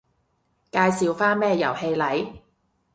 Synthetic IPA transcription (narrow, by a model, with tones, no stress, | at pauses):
kaː˧jsiː˨˧wfaː˥nmɛː˥jɐ˨˩whe˧jlɐ˨˥j